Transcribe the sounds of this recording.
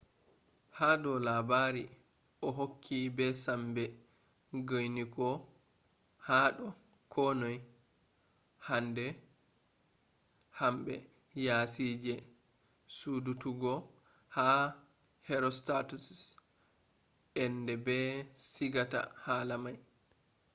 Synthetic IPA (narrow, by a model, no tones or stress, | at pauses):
haɗɔlabaːɾi | ʔɔɦokʰːibɛsambɛ | ɡojnikɔ | haːɗɔ | kʰɔnoj | handɛ | hambɛ | jasid͡ʒɛ | sudutuɡɔ | ha | hɛɾɔstatus | ʔɛndɛbɛsiɡata̰haːlamaj